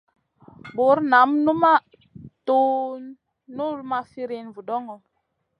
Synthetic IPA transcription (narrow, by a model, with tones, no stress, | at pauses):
bu˨˦ɾna˨˦mnu˦ma˦ | tu˦ | nu˦lma˦fi˦ɾi˦nvu˨dɔ˦ŋɔ˨